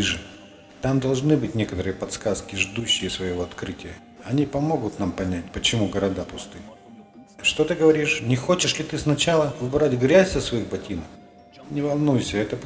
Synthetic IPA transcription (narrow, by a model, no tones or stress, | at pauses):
iʐɨ | t̪amd̪ɐlˠʐnɨbɨtʲnʲekət̪əɾɨjəpɐt̪skaskʲɪʐd̪uɕːɪjəsvəjɪvo̞ɐt̪kɾɨtʲɪjə | ɐnʲipɐmo̞ɡʊt̪nampɐnʲæt̚ʲpət͡ɕɪmuɡəɾɐd̪apʊst̪ɨ | ʂt̪ot̪ɨɡəvɐɾʲiʂnʲɪxo̞t͡ɕɪʂlʲɪt̪ɨsnɐt͡ɕalˠəʊbɾatʲɡɾʲæzʲzəsvɐixbɐtʲʰinəf | nʲɪvɐlˠnujsʲəɛt̪ə